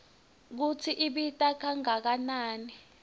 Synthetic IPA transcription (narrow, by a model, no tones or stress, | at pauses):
k̬ut͡sʰiʔiɓitʼakʰaŋak̬anaːni